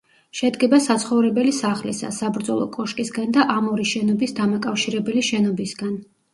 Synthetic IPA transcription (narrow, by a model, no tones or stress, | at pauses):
ʃɛd̪ɡɛbasat̪sʰχɔvɾɛbɛlisaχlḭsa̰sabɾd̪zɔlˠɔ̰kʼɔʃkʼisɡand̪aʔamɔɾiʃɛnɔbisd̪amakʼafʃiɾɛbɛliʃɛnɔbisɡan